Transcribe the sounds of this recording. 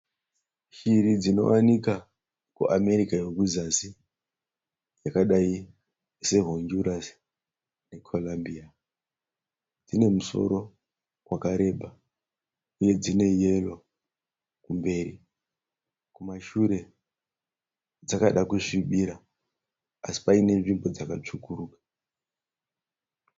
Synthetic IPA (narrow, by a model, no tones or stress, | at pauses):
ʃiɾid͡zino̞̰wanika | kṵʔame̞ɾikajekuzasi | d͡zakaɗai | se̞ɦoɲd͡ʒuɾas | ne̞kʰolambia | d͡zine̞muso̞̰ɾo̞ | kwakaɾe̞ɓʱa | uje̞d͡zine̞je̞lo | kumbe̞ːri | kumaʃuɾe̞ | d͡zakaɗakuʂiɓiɾaː | si̥paine̞ʐimbo̞d͡zakat͡ʂukuruːkḁ